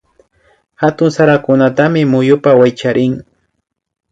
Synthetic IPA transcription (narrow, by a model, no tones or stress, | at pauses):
hat̪ʊŋsaɾakʊnat̪amɪmʊjʊpawajt͡ʃaɾʔɪŋ